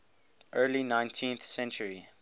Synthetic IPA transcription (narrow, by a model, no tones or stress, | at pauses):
ʔɜːlinãɪ̃ntʰĩnθsɛ̃nt͡ʃəɹi